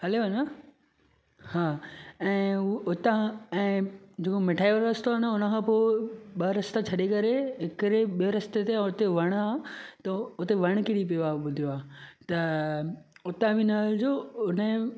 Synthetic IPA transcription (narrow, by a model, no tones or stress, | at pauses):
ɦɐleɐnɐ | haːɛ̃ːʊt̪ãɛ̃ːd͡ʑeːkomɪʈʰaːioɾɾɐst̪onəʊnəkʰãːpoɪɓɐɾɐst̪at͡ɕʰɐɗekɐɾeɦɪkɾeɓijoɾɐst̪et̪ẽʊt̪eʋɐɽ̃aːt̪ɐʊt̪eʋɐɽ̃kɪɽip̬ijoaːɓʊd̪ʱijoaːt̪ɐ | ʊt̪ãʋinaːld͡ʑoːʊnə